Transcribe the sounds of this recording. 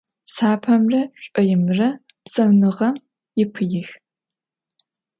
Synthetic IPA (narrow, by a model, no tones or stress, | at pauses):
saːpʰɐmrɐɕʷʼɔjɪmɨrɐ | psʼɐmnɨʁɐm | jɪpʰɨjɪx